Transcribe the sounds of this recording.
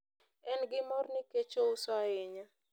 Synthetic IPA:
ɛnɡɪmɔrnɪket͡ʃousaɪɲa

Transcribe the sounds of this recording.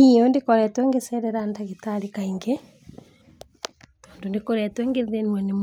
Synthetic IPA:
iondekɔɾɛtwɛŋɡesɛɾɛɾandaɣetaɾikaiŋɡe | toːndondekoɾɛtwɛŋɡeðenwɛnem

